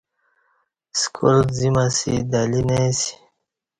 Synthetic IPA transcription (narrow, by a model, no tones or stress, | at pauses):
skʰulzimasḭd̪alinesi̥